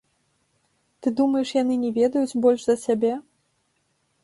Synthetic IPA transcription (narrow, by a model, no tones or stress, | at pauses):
t̪ɨd̪umɐjɛʂjan̪ɨnʲɛvʲɛd̪ɐjud͡zʲbɔlʲʂzɐsʲabʲɛ